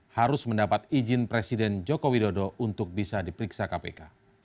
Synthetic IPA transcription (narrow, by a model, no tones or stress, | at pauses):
haɾʊsməndapat̪̚id͡ʒɪnpɾesidɛnd͡ʒokowidodɔʔunt̪ʊk̚bisadipəɾiksakapḛka